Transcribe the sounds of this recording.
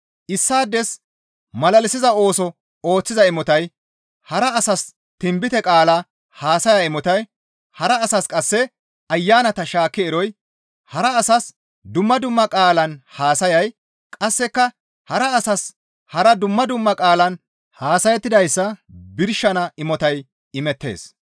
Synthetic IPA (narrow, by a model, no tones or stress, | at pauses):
ʔɪsːaːd̪ːɛs | mɐlɐlɪsɪzɐo̞ːsɔ | o̞ːt͡sːɪzɐɪmɔt̪ɐj | hɐɾɐːsɐs | t̪ɪmbɪt̪ɛkʼaːla | haːsɐjaɪmɔt̪ɐj | hɐɾɐːsɐskʼɐsːɛ | ɐjːaːnɐt̪ɐʃaːkːɛɛɾɔj | hɐɾɐːsɐs | d̪ʊmːɐd̪ʊmːɐkʼaːlɐnhaːsɐjɐj | kʼɐsːɛkːɐ | hɐɾɐːsɐs | hɐɾɐd̪ʊmːɐd̪ʊmːɐkʼaːlɐn | haːsɐjɛt̪ːɪd̪ɐjsːɐbɪɾʃːɐnɐɪmɔt̪ɐj | ɪmɛt̪ːe̞̰ːs